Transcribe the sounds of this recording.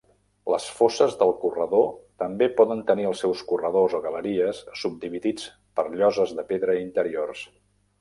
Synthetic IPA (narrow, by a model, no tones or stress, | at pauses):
ləsfosəzðəlˠkurəðot̪əmbepɔðənt̪əniəlˠsːɛwskurəðozoɣələɾiəsːub̚d̪iβiðit͡s | pəɾʎɔzəzðəpeðɾəint̪əɾiors